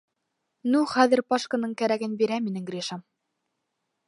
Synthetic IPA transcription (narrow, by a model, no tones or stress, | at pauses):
nuχæðɘ̆ɾpɑʃkanɤɴkæɾæɡɘnbiɾæminɘŋɡɾʲiʃɑm